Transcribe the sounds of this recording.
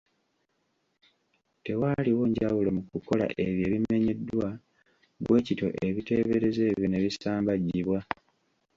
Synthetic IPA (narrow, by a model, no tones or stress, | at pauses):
te̞waliwo̞ɲɟawulomukuko̞la̰ʔe̞βje̞ːβime̞ɲe̞dwa | ɡwʔe̞ːcito̞̰ʔe̞βite̞ːβe̞ɾe̞ze̞ːβjone̞βisaːmbaɟːiβwa